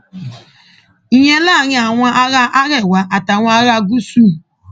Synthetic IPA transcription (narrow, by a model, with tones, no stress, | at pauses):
i˦˨ɲe˦la˦˨ɲ˦a˨ŋʷa˦ʔa˦ɣa˦ʔa˦ɣe˦˨wa˨ʔa˨ta˨ŋʷa˦ɣa˦ɡu˦su˦